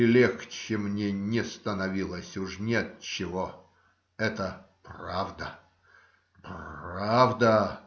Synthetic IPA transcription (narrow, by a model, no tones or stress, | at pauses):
ɪlʲekt͡ɕɪmnʲenʲɪst̪ənɐvʲilˠəsʲʊʂnʲet̪̚t͡ɕɪvo | ɛt̪ə | pravd̪ə̰ | pavd̪ə